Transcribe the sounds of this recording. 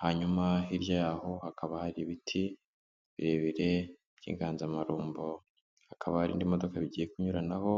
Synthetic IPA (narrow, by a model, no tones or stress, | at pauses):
haɲumahiɾjajaːho̞hakaβahaɾiβitʰi | βiɾe̞βiɾe̞ | β̥jḭːŋɡaːnzamaɾuːmbo | hakʰaβahaɾḭːndimo̞do̞kaβiɟije̞kuɲuɾanaho̞